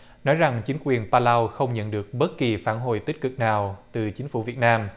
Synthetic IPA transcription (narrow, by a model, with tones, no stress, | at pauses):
nɔ˨˦jza˨˩ŋt͡ɕï˨˦ŋ̟kwi˨˩ənpaː˧laː˧wxə˧wŋ͡mɲə̰˧˨nɗɨ˨˩ək̚ɓə˦˥t̚ki˨˩faː˧˩nɦo̰˧˨jt̪i˦˥k̟̚kɨ˨˩k̚naː˨˩wt̪ɨ˨˩t͡ɕï˨˦ŋ̟fṵ˧˩˨vi˨˩ət̚naː˧m